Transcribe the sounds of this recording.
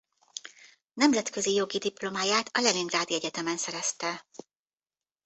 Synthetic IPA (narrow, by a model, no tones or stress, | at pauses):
nɛmzɛt̪kø̞zijo̞ɡid̪iplo̞maːjaːt̪ʰɒlɛliŋɡraːd̪iɛɟɛt̪ɛmɛnsɛɾɛst̪ɛ